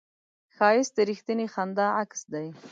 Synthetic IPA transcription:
xɑɪsd̪əɾixt̪ənexand̪ɑaksd̪aj

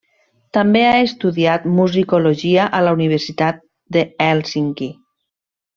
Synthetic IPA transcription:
t̪ambeaest̪uðiat̪muzikoloʒiaʔalauniβ̞eɾsit̪at̪̚ | d̪eɛlsiŋki

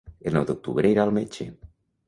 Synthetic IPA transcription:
elnɔ̰wd̪uk̚t̪ṵβɾeiɾalˠmet͡ʃḛ

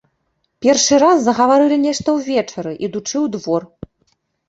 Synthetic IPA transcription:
pʲɛrʂɨɾasːɐɣɐvaɾɨlʲinʲɛʂt̪ɐwvʲɛt͡ʂɐɾɨʔid̪ut͡ʂɨwd̪vɔr

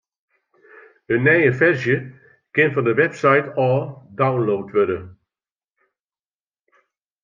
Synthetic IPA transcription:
ənːɛjəfɛrzjə | kɪnfɔndəʋɛpsajtʰɔːdawnloːtʋødə

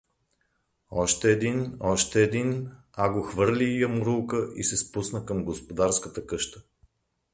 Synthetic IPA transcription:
ɔʃt̪ɛːd̪inɔʃt̪ɛːd̪in | aɡoxvɤɾlʲijɐmʊɾulˠkəʔḭsɛspusnəkəmɡospod̪aɾskət̪əkɤʃt̪ə̥

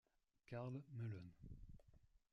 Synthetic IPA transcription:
kaʁlməlœn

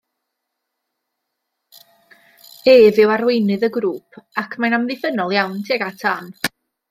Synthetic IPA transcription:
eːvɪwaɾwejnɨðəɡɾuːpʰakʰmajnamðɪfənɔlˠjawntʰeɡatʰan

